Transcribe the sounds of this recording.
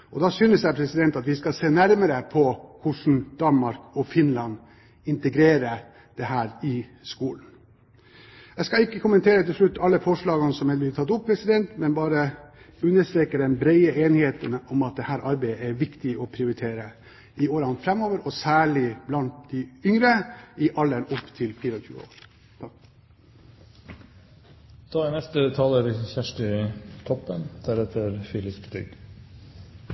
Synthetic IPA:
ɔd̪ɑsyːnəsjæɪpʰɾɛsɪd̪ɛnt̪ɑt̪ʋɪskɑseːnæɾməɾəpʰɔkʰʊʂɳn̩d̪̥ɑnmɑɾkɔfɪnlɑn | ɪnt̪əɡɾeːɾə | d̪̥ɛhæːɾɪskuːln̩ | ɛskɑlɪkːəkʰʊmənt̪ʰeːɾət̪ɪlʂɭʉt̪ːɑlːəfɔʂɭɑːɡɑnsɔmɛb̪ɪt̪ʰɑt̪ːʊppʰːɾɛsɪd̪ɛnt̪mɛnbɑːɾə | ʉnːəst̪ɾeːkəɖɛnbɾeɪəʔeːnɪheːt̪ənɔmɑt̪̚d̪ɛhæːɾʔɑɾbæɪəɛɾʋɪkt̪ɪɔpʰɾɪʊɾɪt̪ʰeːɾə | ɪoːɾɑnfɾɛmoːʋəɾɔsæːɭɪblɑnt̪̚d̪ɪʏŋɾəɪʔɑlːənʊpːt̪ʰɪlfiːɾɔçʰʉ̰ːəo̰ːɾ | t̪ | d̪̥ɑːænɛst̪ət̪ʰɑːləɾçæʂʈɪt̪ʰɔpːənd̪̥æɾɛt̪ʰəɾfiːlɪpd̪ʏ̰ɡ

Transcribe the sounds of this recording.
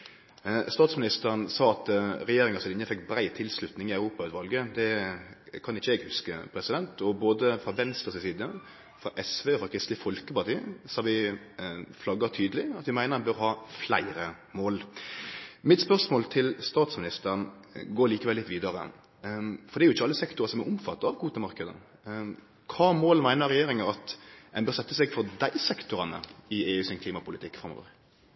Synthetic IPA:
st̪ɑːt̪smɪnɪst̪əʁənsɑːɑt̪ɾɛjeːɾɪŋɑsɪnɪnːəfɛkːbɾæɪt̪ʰːɪlslʉt̪nɪŋɪɑʉɾuːpɑʉːt̪ʋɑlɡəd̪ɛ | kʰɑnɪçːəɛɡhʉskəpʰɾɛsɪd̪ɛnt̪ɔboːd̪əfɾɑʋɛnst̪ʁəsɪsiːd̪ə | fɾɑʔɛsʋeːfɔkʰʁɪst̪lɪfɔlkəpɑt̪ʰiːsɑːʋɪ | flɑɡɑt̪ʰyːd̪əlɪɑt̪ʋɪmæɪnəʁhɛnbœʁhɑːflæ̰ɪɾə | moːl | mɪt̪spœʁsmoːlt̪ʰɪlst̪ɑːt̪smɪnɪst̪əʁən | ɡoːɭiːkəʋɛlːɪt̪ːʋiːd̪əɾə̰ | fɔʁd̪ɛɾjʊɪçːəɑlːəsɛkt̪ʊʁəsɔmɛʔʊmfɑt̪ːɑɑʋkʰuːt̪əmɑɾkəd̪ə̰ | kʰɑːmoːlmæɪnəʁɛjeːɾɪŋɑɑt̪ɛnbœːɾsɛt̪ːəsɛɡfɔʁd̪æɪsɛkt̪ʊɾɑnə̰ɪeːʉːsɪnkʰliːmɑpʊlɪt̪ʰɪkːfɾɑmːo̰ːʋə̰ɾ

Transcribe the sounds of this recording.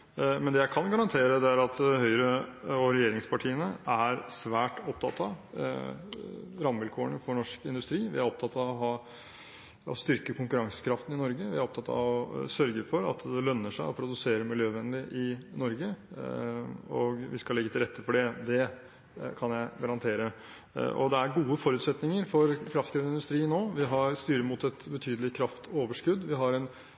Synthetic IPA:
mɛnd̪ɛjæɪkʰɑnɡɑɾɑnt̪ʰeːɾəd̪ɛæɾɑt̪ɦœʏɾəɔɾɛjeːɾɪŋspʰɑʈʰiːənəæɾsʋæːʈɔp̚t̪ʰɑt̪ːɑʋ | ɾɑmʋɪlkʰoːəɳəfɔɳɔʂkɪnd̪ʉst̪ɾiːʋɪæɾɔp̚t̪ʰɑt̪ɑʋɔɦɑː | ɔ̰st̪ʏɾkəkʰʊŋkʉɾɑŋsə̥kʰɾɑft̪n̩ɪnɔɾɡəʋɪæɾɔp̚t̪ʰɑt̪ːʰɑ̰ʋɔsœɾɡəfɔɾɑ̰t̪d̪ɛlœnːəʂæɪɔpʰɾʊd̪ʉseːɾəmɪljøːʋɛnd̪ɪʔɪnɔɾɡə | ɔɡʋɪskɑlɛɡːət̪ʰɪlɾɛt̪ʰːəfɔɖɛd̪ɛ | kʰɑnjæɪɡɑɾɑnt̪ʰeːɾə | ʔɔ̰d̪ɛæɾɡuːəfɔɾʉːt̪sɛt̪nɪŋəɾfɔɾkʰɾɑft̪skʰɾɪʋənɪnd̪ʉst̪ɾiːnoːʋɪɦɑɾst̪yːɾəmut̪ɛt̪bət̪ʰyːd̪əlɪkʰɾɑft̪ʰoːʋəʂkʉd̪ʋɪɦɑɾɛn

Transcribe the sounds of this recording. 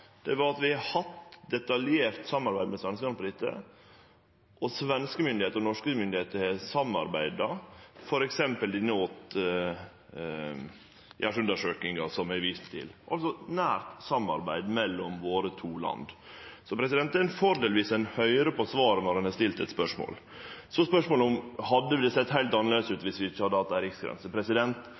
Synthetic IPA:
d̪̥ɛʋɑɾɑt̪ʋɪhɑt̪d̪ɛt̪ɑljeːɾt̪sɑmːɑɾbæɪmɛsʋɛnskənɑnpʰɑɾɪt̪ːə̰ | ʔɔsʋɛnskəmʏnd̪ɪheːt̪əɾnɔʂkəmʏnd̪ɪheːt̪əhɛsɑmːɑ̰ɾbæɪd̪ɑfɔɾɛksɛmpəlɪnːəɔt̪ | jʔæʂʉnd̪əʂøːkɪŋɑsɔmæɪʋɪst̪t̪ʰːɪ̰lʔɑ̰lsɔnæːɾt̪sɑmɑ̰ɾbæ̰ɪd̪mɛlːɔmʋoːɾət̪ʰuːlɑ̰nd̪sɔpʰɾɛsɪd̪ɛnt̪æɛnfɔɾd̪eːlʋiːsɛnhœʏɾəpɔsʋɑːɾənɔɾhɑnɑst̪ɪlt̪ɛt̪spœʂmo̰ːl | sɔspœʂmoːləʊmhɑd̪ːəd̪ɛsɛt̪ːhæɪt̪ɑnəleːd̪əsʉːt̪ʋɪsʋɪɪçːəhɑd̪ːəɑt̪ːæɾɪksɡɾɛ̰nsəpʰɾɛsɪd̪ɛnt̪

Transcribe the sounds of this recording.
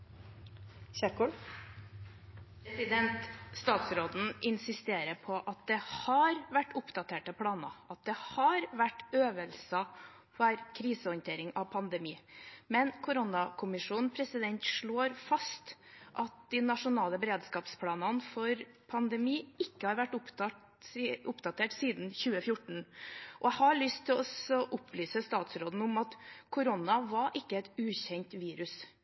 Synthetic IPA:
ɕæɾkɔl | pʰɾɛsɪd̪ɛnt̪st̪ɑːt̪sɾoːd̪n̩ʔɪnsɪst̪eːɾəpʰɔʔɑt̪̚d̪ɛhɑɾʋæʈːʊpd̪ɑt̪ʰeːʈəpʰɽɑːnɑ̰ɑt̪̚d̪ɛhɑɾʋæʈːøːʋəlsə | fɑɾkʰɾiːsəɔʏnt̪ʰeːɾɪŋɑʋpʰɑnd̪ɛmiːmɛnkʰʊɾʊnɑkʰʊmɪʂuːn̩pʰɾɛsɪd̪ɛnt̪ʂɭoːɾfɑst̪ʔɑt̪̚d̪ɪnɑʂʊnɑːləbəɾeːd̪skɑːpspʰlɑːnɑnfɔɾ | pʰɑnd̪ɛmiːɪkːəhɑɾʋæʈːʊp̪ɑ | ʊpd̪ɑt̪ʰeːʈsiːd̪n̩çʉːəfjʊʈɳ̩ʔɔhɑɭʏst̪ʰɪlɔsɔʔʊplyːsəst̪ɑːt̪sɾoːd̪n̩ʊmɑt̪kʰʊɾɔnɑʋɑɾʔɪkːəɛt̪ʉːçɛɲt̪ʋiːɾʉs

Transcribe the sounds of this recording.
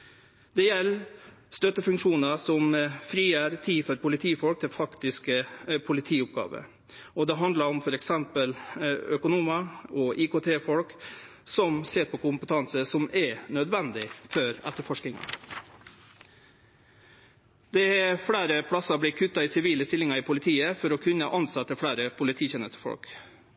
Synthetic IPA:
d̪̥ɛjɛlːst̪œt̪ːəfʉŋkʂuːnəsɔmfɾiːjəːɾt̪ʰiːfɔɾpʰʊlɪt̪ʰiːfɔlk̚t̪ʰɪfɑkt̪ɪskəpʰʊlɪt̪ʰiːʊp̚ɡɑ̰ːʋə̰ | ɔd̪ɛɦɑnd̪lɑɾɔmfɔɾɛksɛmpəlœkʊnuːmɑɔʔɪkoːt̪ʰeːfɔlk | sɔmseːɾpʰɔkʰʊmpət̪ʰɑnsəsɔmɛɾnœd̪ʋɛnd̪ɪfœɾɛ̰t̪ːəɾfɔʂknɪŋɑ̰ | d̪̥ɛɛfɽæːɾəpʰɽɑsɑbliːkʰʉt̪ːɑɪsɪʋiːləst̪ɪlɪŋɑɪpʰʊlɪt̪ʰiːəfɔɾɔkʰʉnːəʔɑnsɑt̪ːəfɽæːɾəpʰʊlɪt̪ʰiːçeːnəst̪ə̥fɔ̰lk

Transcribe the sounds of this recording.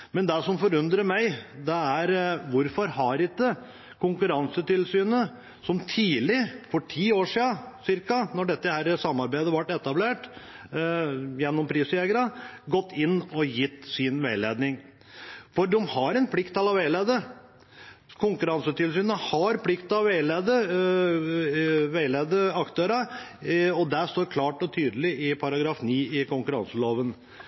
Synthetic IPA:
mɛnd̪æʂɔmfɔɾʉnd̪ɾəmæɪd̪ɛæɾʋʊɾfɔɾhɑɾɪt̪ə | kʰʊŋkʉɾɑŋsət̪ɪlsyːnə | sɔmt̪ʰiːlɪfɔʈʰiːoːʂiːɑsɪɾkɑnɔɖɛt̪ːəhæɾəsɑmːɑɾbæɪd̪əʋɑʈːɛt̪ɑbleːʈ | jɛnːɔmpʰɾiːseɡəɾɑɡɔt̪ːɪnːɔjɪt̪ːsɪnʋeɪleːd̪nɪŋ | fɔd̪ɔmhɑɾɛnpʰlɪkt̪ɑlɑʋæɪleːd̪ə | kʰʊŋkʉɾɑnsət̪ɪlsyːnəhɑɾpʰlɪkt̪ɑʋæɪleːd̪ə | ʋæɪleːd̪əɑkt̪ʰøːɾɑ | ɔd̪æʂt̪oːɾkʰlɑːʈɔt̪ʰyːd̪əlɪʔɪpʰɑɾɑɡɾɑːfniːɪkʊŋkʉɾɑ̰nsəloːʋən

